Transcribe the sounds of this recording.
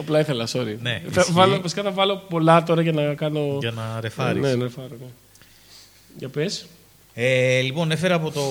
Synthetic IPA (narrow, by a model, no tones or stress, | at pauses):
ɐplɐiθelɐsoɾine̞ɐvɐlomɐsi̥kɐθɐvɐlo̞po̞lɐt̪o̞ɾɐcɐnɐkɐno̞ʝɐnɐɾe̞fɐɾḭnsenɐɾefɐɾone | ʝɐpes | elipo̞ne̞fe̞ɾɐːpo̞t̪o̞